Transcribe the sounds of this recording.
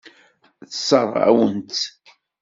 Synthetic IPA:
θəsəɾˤæ̰wənt̪

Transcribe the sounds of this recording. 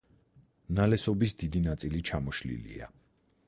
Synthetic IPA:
nalɛsɔbisd̪id̪inat̪sʼilit͡ʃʰamɔʃlḭlḭa̰

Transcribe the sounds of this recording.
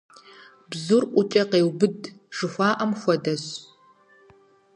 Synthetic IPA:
bzurʔʷʊt͡ʃʼɐqeːwbɨdʒ̥ɨxʷaːʔɐmxʷɔdɐɕ

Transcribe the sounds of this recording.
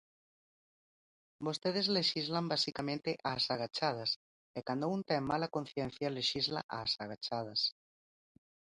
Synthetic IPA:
bost̪eð̞ezleʃizlambasikamẽnt̪eʔasaɣat͡ʃað̞as | ekand̪ount̪ɛmːalakon̟θjɛn̟θjaleʃizla̰ʔasaɣat͡ʃað̞as

